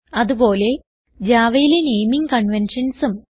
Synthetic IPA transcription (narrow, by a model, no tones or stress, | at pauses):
ɐðubo̞ːle̞ | d͡ʑaːʋɐjilenejmiŋkɐɳʋenʂɐnsɨm